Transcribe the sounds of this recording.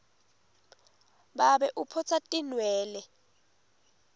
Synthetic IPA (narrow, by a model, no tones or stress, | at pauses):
ɓaɓɛʔupʰɔt͡sʰatʼinwɛːlɛ